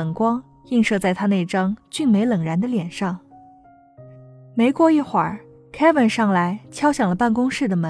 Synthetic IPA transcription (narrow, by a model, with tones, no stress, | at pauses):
ə˨˩ŋkwɑ˥ŋ | i˥˧ŋʂɤ˥˧t͡sa˥˩ɪt̪ʰa˥ne˥˩ɪʈ͡ʂɑ˥ŋt͡ɕy˥˩nme˧˥ɪlə˨˩ŋɻa˧˥nd̪ə˧ljɛ˨˩nʂɑ˥˩ŋ | me˧˥ɪkwɔ˥i˥˩xwa˨˩˦ | kʰɛ˥wə˧˥nʂɑ˥˩ŋla˧˥ɪt͡ɕʰjɑ˥ʊɕjɑ˨˩ŋlə˦pa˥˩nkʊ˥ŋʂɻ̩˥˩d̪ə˩mə˧˥